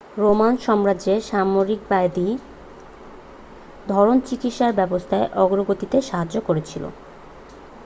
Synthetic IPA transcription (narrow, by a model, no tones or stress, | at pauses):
ɾomanʃɔmɾad͡ʑeʃamoɾik̚bajd̪i | d̪ʱɔɾont͡ɕikit̪ʃaɾbɛbost̪ʰaeʔɔɡɾoɡot̪it̪eʃaɦad͡ʑokoɾet͡ɕʰilo̰